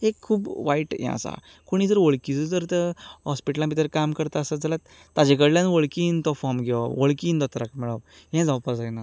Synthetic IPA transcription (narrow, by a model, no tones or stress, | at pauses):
ekʰːuːbʋaiʈjɛ̰̃ə̰sa̰ | koɽ̃id͡zəɾʋoɭkit͡səd͡zəɾt̪əɦɔspiʈəlãbit̪əɾkamkəɾt̪aəsad͡zalat̪ːad͡ʑek̬əɽljãnʋoɭkiːnt̪ɔfɔmɡʱɛʋaʋoɭkiːnd̪ɔt̪ɾakmɛɭəʋ | jɛ̃d͡zawpad͡zajna